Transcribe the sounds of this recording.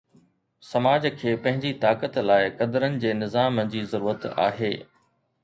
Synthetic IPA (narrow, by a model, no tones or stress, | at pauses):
sɐmaːd͡ʑkʰeːpɐ̃ɦɪ̃ɲd͡ʑit̪aːkət̪laːɪkɐd̪əɾənɪ̆d͡ʑeːnɪzaːməd͡ʑiːzɐɾuːɾət̪a̰ːɦeː